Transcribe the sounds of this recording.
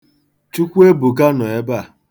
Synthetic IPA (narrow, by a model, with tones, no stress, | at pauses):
t͡ʃu˦kʷu˦e˦bu˨ka˦nɔ˨e˦ba˦˨